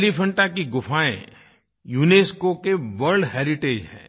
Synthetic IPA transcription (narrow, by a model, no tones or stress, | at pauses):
lipʰɐ̃ɳʈakiɡʊfʰaːḛ̃ | juːneːskokeʋɐɾɖɦeːɾɪʈeːd͡ʒɦɛ̰̃ː